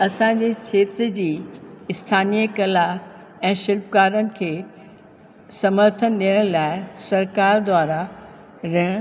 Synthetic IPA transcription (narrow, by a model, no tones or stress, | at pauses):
ɐsãːɲ̆d͡ʑeːkʰeːt̪ɾd͡ʑiːɪst̪ʰaːnijəkɐla | ɛ̃ːʃɪlpkaːɾənɪ̆kʰeː | sɐməɾt̪ʰənɗiəɽ̃laːɪsɐɾkaːɾd̪waːɾa | ɾɪɽ̃